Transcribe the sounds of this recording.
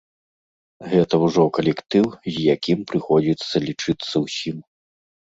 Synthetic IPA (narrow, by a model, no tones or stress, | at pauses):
ɣɛt̪ɐwʐɔkɐlʲɛkt̪ɨwzʲjakʲimpɾɨxɔd͡zʲit̪sːɐlʲit͡ʂɨt̪sːɐwsʲim